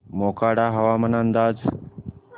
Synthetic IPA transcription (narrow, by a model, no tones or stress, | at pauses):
moːkaːɽaːɦɐʋaːmənənd̪aːd͡z